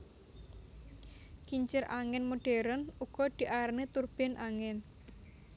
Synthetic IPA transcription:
kiɲt͡ʃɪrʔaŋɛnmoɖ̥e̤ɾənuɡ̥ɔ̤d̪̥i̤ʔaɾnet̪urb̥ɛ̤nʔaŋɛn

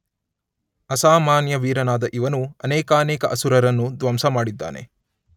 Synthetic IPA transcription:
ɐsaːmaːnjɐʋiːɾɐnaːd̪ɐʔiʋɐnuɐnɛːkaːnɛːkɐʔɐsuɾɐɾɐnːud̪ʋɐmsɐmaːɽid̪ːa̰ːne̞̰

